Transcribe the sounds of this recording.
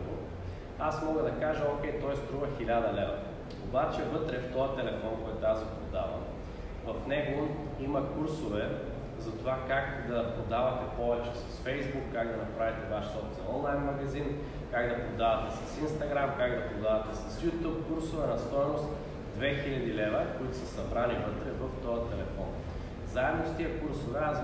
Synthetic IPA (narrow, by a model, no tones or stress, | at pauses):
asmɔɡəd̪ɐkaʒəokʲɛjt̪ɔjst̪ɾuvɐxilʲad̪ɐlɛvɐ̰ | obat͡ʃɛvɤt̪ɾɛft̪ɔət̪ɛlɛfɔnkɔjt̪azɛpɾod̪avɐ̰ | vɐfnɛɡo | imɐkuɾsovɛ | zɐt̪ovakakd̪ɐpɾod̪avɐt̪ɛpɔvɛt͡ʃɛsɐ̥sfɛjzbukːaɡd̪ɐnɐpɾavit̪ɛvaʃsɔft̪zɐɔnlˠajnmɐɡɐzin | kaɡd̪ɐpɾod̪avɐt̪ɛsɐsinst̪ɐɡɾamkaɡd̪ɐpɾod̪avɐt̪ɛsɐsjut̪up̚kuɾsovɛnɐst̪ɔjnost̪ | d̪vɛxilʲɐd̪ilɛvɐkoit̪ʊsɐsɐbɾanivɤt̪ɾɛvɐft̪ɔjət̪ɛlɛfɔn | zaɛd̪nost̪iɐkuɾsovɛa